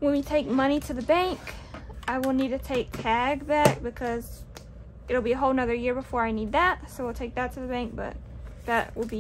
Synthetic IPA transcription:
wə̃nwitʰeɪk̚mʌñiɾɨðɨbæ̃ŋkʔaɪwɪl̩ˠnid̚tʰɨtʰeɪktʰæɡbæk̚b̥ɨkʰʌz | ɨɾl̩ˠbiɨɦoʊlˠnʌðə˞jɪɹbəfɔɹaɪnid̪̚ðət̚soʊɪlˠtʰeɪk̚ðɨtʰɨðɨbæ̃ŋk̚b̥ʌ̰t̪̚ðɨʔwɪ̰lˠbi

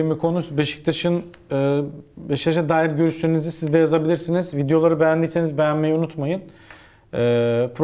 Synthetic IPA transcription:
imbikʰo̞nusbe̞ʃi̥c̚t̪ʰaʃɯnː | beʃikt̪ʰaʃad̪aːɦiɾɟø̞ɾyʃt̪ʰynizisizd̪ɛjazabilʲiɾsinizvid̪ejo̞lˠaɾɯbejænd̪iːsenizbejænmejɛunut̪majɯn | ɛːpʰɾ

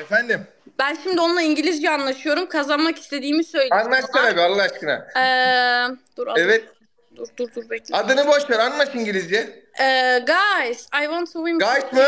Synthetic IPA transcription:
efænd̪ɪm | bænʃimd̪io̞nlˠaiɲɟilʲizjɛanlˠaʃɯjo̞ɾumkʰazanmaki̥st̪ʰe̞d̪iːmisø̞jleanmaʃkɯnabialˠːaaʃkɯna̰ɛ | d̪̥uɾaevɛ | d̪uɾd̪uɾd̪uɾbead̪ɯnɯbaʃlˠaɾanmaʃiɲɟilʲizjɛɛːɡajsajvant̪ʰuwimɡajsmɯ

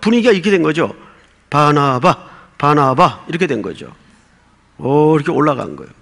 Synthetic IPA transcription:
puɲiɡiaiɾkʰedwenɡʌd͡ʑo̰ | panabapanabaiɾʌkʰedwenɡʌd͡ʑo̰ | ʌiɾʌkʰeoɭːaɡa̰ɯ̰nɡʌjo

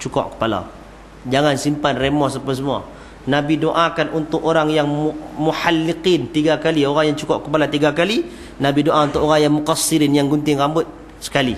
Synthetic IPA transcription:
t͡ʃukɔ̰ʔkə̥pala̰ | d͡ʒaŋansimpanremɔhsapas̬əmua̰ | nabidoʔakanunt̪ʊʔoɾaŋjaŋmuħalːiqint̪iɡakalioɣaŋjaŋt͡ʃukɔʔkəpalat̪iɡakali | nabidoʔaunt̪ʊʔoɣaŋjaŋmukasiɾɪnjaŋɡunt̪ɪŋrambʊt̪̚ | sə̥kali

